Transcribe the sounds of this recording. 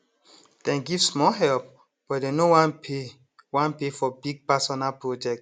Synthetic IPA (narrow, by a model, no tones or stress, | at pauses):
d̥ɛ̃nɡivsmɔɦɛlp̚ | b̥ɔtdenowãnpʰe | wãnpefɔbiɡ̚pasɔnalpɹod͡ʒɛk̚t